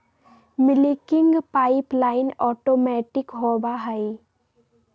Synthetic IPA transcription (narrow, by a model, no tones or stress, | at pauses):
mɪlikɪŋɡpaːɪplaːɪnɔːʈoːmɛːʈɪkɦoːbaɦɐi